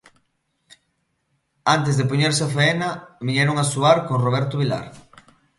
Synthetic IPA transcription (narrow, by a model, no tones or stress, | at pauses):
ant̪ezðepoɲeɾsɪafeenɐβiɲɛɾoŋasuaɾkoŋroβ̞ɛɾt̪ʊβila̰ɾ